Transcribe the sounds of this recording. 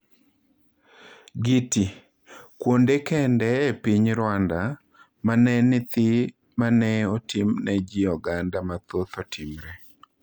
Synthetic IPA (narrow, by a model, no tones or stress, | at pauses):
ɡiti | kwondekɛndɛːpiɲɾwanda | manɛnɪt̪ɪ | manɛɔtimnɛd͡ʒiɔɡandamat̪ot̪ɔtʰɪmɾɛ